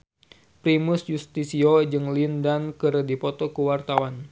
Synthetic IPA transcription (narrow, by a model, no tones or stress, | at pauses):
pɾimusjust̪isiod͡ʒɨŋlindankəɾədipɔt̪ɔkəwart̪awan